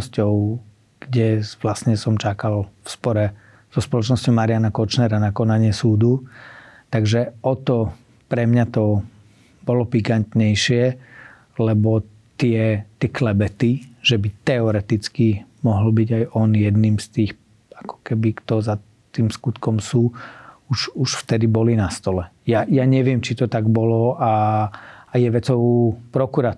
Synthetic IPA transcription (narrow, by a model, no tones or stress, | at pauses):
scɔʊ | ɡ̥ɟɛʋlasɲɛsɔmt͡ʃakalfspɔɾɛ | z̥ɔspɔlɔt͡ʃnɔscɔʊmaɾɪanakɔt͡ʃnɛɾanakɔnaɲɪɛsuːd̪u | t̪aɡʒɛɔt̪ɔ | pɾɛmɲat̪ɔ | bɔlɔpikant̪ɲɛjʃɪɛ | lɛbɔ | t̪ɪɛt̪ɪɛklɛbɛt̪iʒ̥ɛbit̪ɛɔɾɛt̪it͡skimɔɦɔl̩biɟajʔɔnjɛd̪niːmst̪iːx | akɔ̥kɛbikt̪ɔza | t̪iːmskut̪kɔmsuːuʃuʃft̪ɛd̪ibɔlinast̪ɔlɛ | jajaɲɛʋɪɛmt͡ʃit̪ɔt̪aɡbɔlɔaː | jɛʋɛt͡sɔʊpɾɔkuɾa